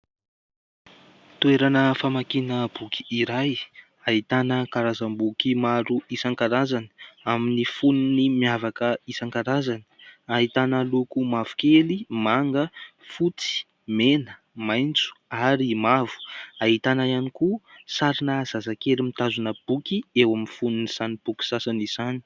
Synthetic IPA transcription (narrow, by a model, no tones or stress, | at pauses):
t̪ueɾanəfamakinəb̥ukʰi̥iɾaj | aɦit̪anəkaɾazambukimaɾuisaŋkaɾazani̥aminifununimiavakəisaŋkaɾazanə̥aɦit̪anəlukumavu̥kelimaŋɡəfut͡si̥ | menə | majnt͡su̥aɾimavu̥aɦit̪anaianikusaɾinəz̥azakeɾimit̪azunəb̥ukiewaminfununiz̥anib̥ukʲi̥sasanizani̥